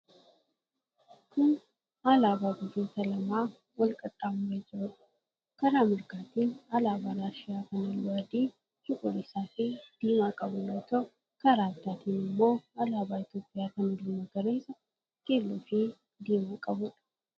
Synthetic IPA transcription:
kʰʊn | alaːbaːɡʊd͡ʒoːt̪ɐlɐmaː | wɐlkʼɐt̪ʼːaːmʊɾed͡ʒɛʔʊᶑɐ̥ | kɐɾaːmɪɾkaːt̪iːnɐlaːbaːɾaːʃɪjaːkɐnɐlːʊɐd̪iː | hɪkʼʊɾɪsaːfɪd̪̥iːmaːkʼɐbʊnɐt̪oː | kɐɾaːbd̪aːt̪iːnɪmːo̞ːɐlaːbaːɪt̪joːpʼːɪjaːkɐnd̪iːmɐɡɐɾeːsɐ | keːlːoːfɪ | d̪iːmaːkʼɐbʊᶑɐ̥

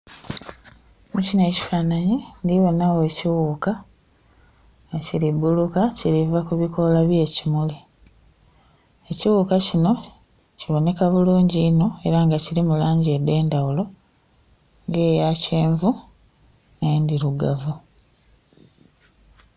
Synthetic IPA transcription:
mucine̞ːci̥faːnaɲindiβo̞nawe̞ːciwuːka | aciɾibulukaciɾivakuβiko̞laβje̞ːcimuli | eciwuːkacino̞ | ciβo̞ne̞kaβuluːɲɟiːno̞e̞ɾaŋɡaciɾimulaːɲɟiede̞ːndawulo̞ | ŋɡe̞ːjace̞ːɱvu | nendiɾuɡa̰vu

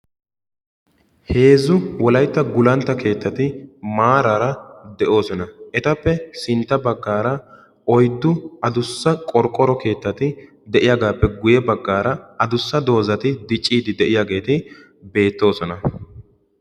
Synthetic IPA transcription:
he̞ːzʊwɔlɐjt̪ːɐɡʊlɐnt̪ːɐke̞ːt̪ːɐt̪ɪmaːɾɐɾɐd̪ɛʔo̞ːsɔnɐɛt̪ɐpːɛsɪnt̪ːɐbɐɡːaːɾɐ | ɔjd̪ːʊɐd̪ʊsːɐkʼɔɾkʼːɔɾɔke̞ːt̪ːɐt̪ɪ | d̪ɛʔɪjaːɡaːpːɛɡʊjɛbɐɡːaːɾɐʔɐd̪ʊsːɐd̪o̞ːzɐt̪ɪd̪ɪt͡ʃʼːiːd̪ɪd̪ɛʔɪjaːɡe̞ːt̪ɪ | be̞ːt̪ːo̞ːsɔnɐ

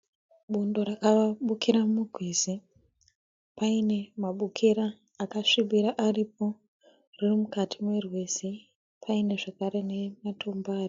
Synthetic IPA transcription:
ɓundo̞rakaaɓukiɾamuɡʱwizi | paine̞maɓukʰiɾaː | kaʂiɓiɾaʔarip̚o̞ | ririmukatʰimwe̞rwesi | pʰaine̞ʐakaɾe̞ne̞matombaːri

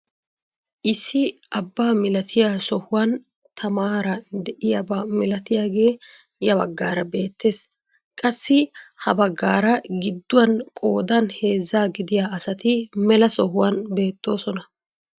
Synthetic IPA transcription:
ʔɪsːɪʔɐbːaːmɪlɐt̪ʰɪjasɔhʊwɐn | t̪ʰɐmaːɾɐd̪ɛʔɪjabɐmɪlɐt̪ɪjaːɡe̞ː | jɐbɐ̰ɡːaːɾɐbe̞ːt̪ːe̞ːs | kʼɐsːɪhɐbɐɡːaːɾɐɡɪd̪ːʊwɐnkʼo̞ːd̪ɐnhe̞ːzːaːɡɪd̪ɪjaːʔɐsɐt̪ɪmɛlɐsɔhʊwɐnbe̞ːt̪ːo̞ːsɔnɐ

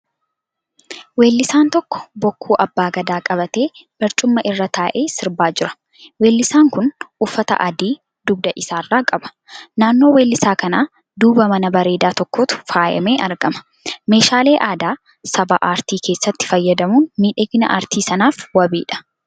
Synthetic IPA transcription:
we̞ːlːɪsaːnt̪ɔkːɔ̥bɔkːuːʔɐbːaːɡɐd̪aːkʼɐβɐt̪e̞ːb̥ɐɾt͡ʃʼʊmːɐʔɪrːɐt̪ʰaːʔe̞ːsɪɾbaːd͡ʒɪɾɐ̥ | we̞ːlːɪsaːŋkʊnufːɐt̪ɐ̰ʔɐd̪iː | d̪ʊb̚d̪ɐʔɪsaːrːaːkʼɐbɐ̥ | naːnːo̞ːweːlːɪsaːkɐnaː | d̪uːbɐmɐnɐbɐɾe̞ːd̪aːt̪ɔkːoːt̪ʊ̥faːjɛ̰meːʔɐɾɡɐmɐ̥ | me̞ːʃaːle̞ːʔaːd̪aː | sɐbɐʔaːɾt̪iːkʰe̞ːsːɐt̪ːɪ̥fɐjːɐd̪ɐmuːnmiːᶑɛɡɪnɐ̰ʔa̰ːɾt̪iːsɐnaːfwɐbiːᶑɐ̥

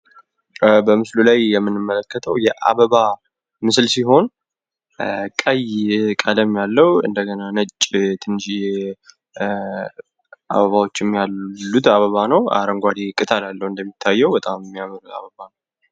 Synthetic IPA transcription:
bəmɨslulajjɛmːɨnːɨmːələkːət̪ʰəwjɛʔa̰βəβa | mɨslsiɦo̞n | kʼəjkʼələmjalːəwɨ̰nd̪əɡənanət͡ʃʼːt̪ʰɨnːʃi | ʔa̰βəβawo̞t͡ʃːɛmːjalːut̪aβəβanəwa̰ɾəŋɡʷad̪ekʼɨt̪ʼʰalalːəwɨnd̪əmːit̪ʰːajːɛwbət̪ʼammːijaməɾua̰βəβanəw

